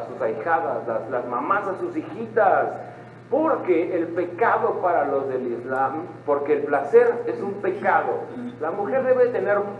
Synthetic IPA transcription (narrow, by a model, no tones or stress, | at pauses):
susajxaðaslaslazmamasasusixit̪as | po̞ɾke̞ːlpe̞kaðo̞paɾalo̞zðelizlampo̞ɾke̞ːlplaseɾe̞sumpe̞kaðo̞lamuxe̞ɾðe̞βet̪ene̞ɾ